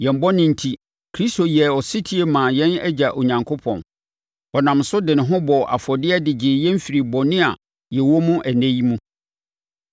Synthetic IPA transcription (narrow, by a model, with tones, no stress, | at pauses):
jɛ̃˨m˨bɔ˦nɪ̃˦n̩˨tʰi˦ | kʰɾi˦sto˨jɛ˨ɔ˨sɪ˦tʰi˦e˦mã˨jɛ̃˦næ̰˦d͡ʑa˨ʔo˨ɲã˨ŋkʰo˦pʰɔ̰̃˨n | ɔ˨nã˨msʊ˦dɪ˨nɪ̃˨ɦʊ̃˦bɔ˨ʔa̰˨fɔ˨dɪ˦ɛ˦dɪ˨d͡ʑɪ˨jɛ̃˦m̩˦fi˨ɾi˨bɔ˨nɪ̃˦a˨ | jɛ˨wɔ˦mũ˦ʔæ˨næ̃˦ji˦mũ˦